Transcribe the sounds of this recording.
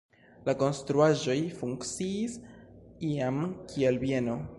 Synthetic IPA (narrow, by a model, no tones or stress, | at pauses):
lako̞nst̪ɾuaʒo̞jfuŋkt͡siːsiamkʰie̞lbie̞no̞